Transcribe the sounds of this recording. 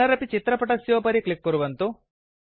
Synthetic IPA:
ɐɾɐpit͡ʃit̪ɾɐpɐʈɐsjoːpɐɾiklikːuɾuʋɐnt̪u

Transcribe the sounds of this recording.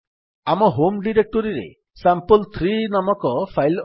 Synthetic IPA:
amɔɦomɖiɾek̚ʈɔɾiɾḛ | sampəlt̪ʰɾinamɔkɔpʰajl

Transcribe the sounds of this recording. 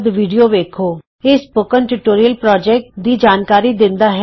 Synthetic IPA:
d̪ʋiːɖijoʋeːkʰoː | ɪspoːkənʈuʈoːɾijəlpɾɔːd͡ʒɛːk̚ʈd̪id͡ʒaːnkaːɾid̪ɪ̃nd̪aɦɛ

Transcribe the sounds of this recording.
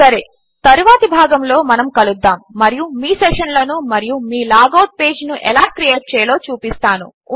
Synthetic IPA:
sɐɾe̞ː | t̪ɐɾuʋaːt̪ibʱaːɡɐmlo̞ːmɐnɐmkɐlud̪ːaːmːɐɾijumiːsɛʂɐnlɐnumɐɾijumiːlaːɡɐwʈ̚pe̞ːd͡ʒnuʔɛ̰laːkɾijeːʈ̚t͡ʃɛːjɐlo̞ːt͡ʃuːpist̪aːnṵ

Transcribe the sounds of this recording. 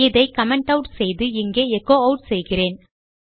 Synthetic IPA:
ɪðɐɪkɐmɛɳʈɐʊʈsɛjðɯɪŋɡeːɛkːoːɐʊʈsɛjɣɪreːn

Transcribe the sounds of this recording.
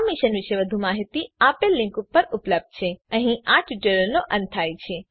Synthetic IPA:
miʃənʋɪʃeʋəd̪ʱumaɦit̪iaːpelːɪ̃ŋkupːəɾʊpləb̚d̪̚t͡ʃʰeə̃ɦĩʔaʈʰiʈelonoʔə̃nt̪ʰajt͡ʃʰe

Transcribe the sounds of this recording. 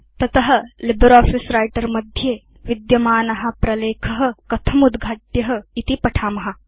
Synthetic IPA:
t̪ɐt̪ɐɦɐ̆libɐɾɔːfisɾaːjʈɐɾmɐd̪ʱjeː | ʋid̪jɐmaːnɐɦɐ̆pɾɐleːkʰɐɦɐ̆kɐt̪ʰɐmud̪ɡʱaːʈjɐɦɐ̆it̪ipɐʈʰaːmɐɦɐ

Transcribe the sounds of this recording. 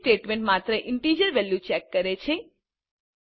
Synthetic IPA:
ʈeʈmẽɳʈmat̪ɾəʔɪɳʈid͡ʒəɾʋɛljut͡ʃɛkːəɾet͡ʃʰe

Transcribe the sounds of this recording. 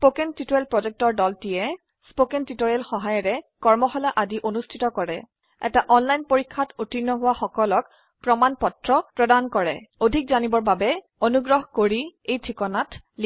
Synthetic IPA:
spokɛntitoɹɛlpɹɔzɛk̚tɔɹdɔltijɛ | spokentitoɹiɛlxɔɦajɔɹɛkɔɹmɔxɔlaʔadiʔonustʰitɔkɔɹɛ | ɛ̰taʔɔnlajnpoɹikʰːatutinːɔɦʊwaxɔkɔlɔk | pɹɔmanpɔtɹɔpɹɔdankɔɹɛ̰odʱikzanibɔɹbabɛ | onuɡɹɔɦɔkoɹiejtʰikɔnatli

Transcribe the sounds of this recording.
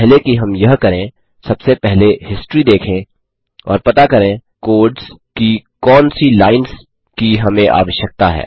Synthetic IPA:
ɦlekiɦɐmjɐɦkɐɾẽ | sɐbsepɛɦlehɪsʈɾid̪eːkʰẽ | ɔ̰ːɾpɐt̪akɐɾẽkoːɾɖzkikɔːnsilaːɪns | kiɦɐmẽʔa̰ːʋəʃjək̚t̪aɦɛ̰ː

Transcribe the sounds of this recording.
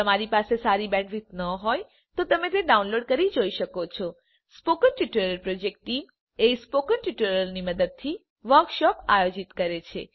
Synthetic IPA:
t̪əmaɾipasesaɾibɛ̃ɖʋit̪nəɦɔj | t̪ot̪əmet̪eɖaunloɖkəɾid͡ʒoiʃəkot͡ʃʰɔ | spokənʈiʈəɾəlpɾod͡ʒek̚ʈʈːim | espokənʈiʈəɾəlniməd̪əd̪̚t̪ʰi | ʋəɾkʃɔpajod͡ʒit̪kəɾet͡ʃʰḛ

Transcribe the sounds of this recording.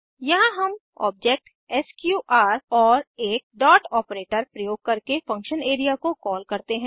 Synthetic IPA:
jɐɦãɦɐm | ɔ̰ːb̚d͡ʒeːk̚ʈ | ɛskjuːʔaːɾɔːɾeːk̚ɖɔːʈɔːpɾeːʈəɾpɾɐjoːɡ̚kɐɾkefɐ̃ŋkʃəneːɾijakokɔːlkɐɾt̪eɦɛ̃ː

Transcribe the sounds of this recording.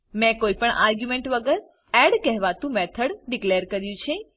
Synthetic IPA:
mɛ̃koipəɳʔa̰ɾɡjumeɳʈʋəɡəɾ | ɛɽkɛɦʋat̪ũmɛt̪ʰəɽɖikleɾkəɾjũt͡ʃʰe

